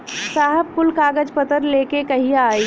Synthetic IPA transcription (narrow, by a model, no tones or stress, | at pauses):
saːɦəb̚kʊlkaːɡəd͡ʒpət̪əɾleːkekɐɦiaːi